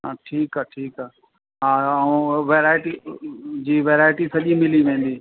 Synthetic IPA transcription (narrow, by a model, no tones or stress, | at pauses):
aʈʰiːkaːʈʰiːkaː | ɦãːũʋeːɾaːɪʈid͡ʑiːʋeːɾaːɪʈisɐʄĩmɪliʋẽːn̆d̪iː